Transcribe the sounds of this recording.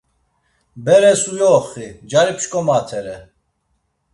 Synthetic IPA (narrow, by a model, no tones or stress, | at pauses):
bɛɾɛsujɔːχid͡ʒaɾipʃkʼɔmaːt̪ʰɛɾɛ